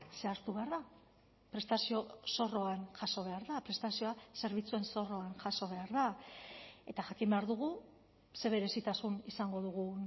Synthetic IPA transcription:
se̞aɾt̪uβe̞aɾða | pɾe̞st̪asio̞so̞ro̞anʝaso̞βe̞aɾðapɾe̞st̪asio̞ase̞ɾβ̞it͡sue̞nso̞ro̞anʝaso̞β̞e̞aɾða | e̞t̪aʝakimbe̞aɾðuɣ̞u | se̞β̞e̞ɾe̞sit̪asunisaŋɡo̞ðuɣu

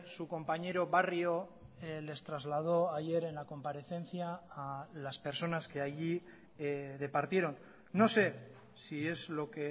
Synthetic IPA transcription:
suko̞mpaɲe̞ɾo̞βarjo̞le̞st̪ɾazlað̞o̞aʝe̞ɾe̞nlako̞mpaɾe̞θe̞nθjaː | laspe̞ɾso̞naske̞aʝi | ð̞e̞paɾt̪je̞ɾo̞nː | o̞se̞ | sie̞zlo̞ke̞

